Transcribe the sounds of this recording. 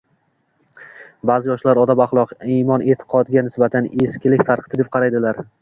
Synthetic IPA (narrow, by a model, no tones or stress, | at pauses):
bazɪjɒʃlaɾɒd̪abaχlˠɒqimɒnʔet̪ʰɪ̥qʰɒd̪ɡʲanɪsbat̪ʰaneskʲɪlɪkʲt̪ʰaɾqt̪ɪd̪ep̚qʰɑɾajd̪ɪlaɾ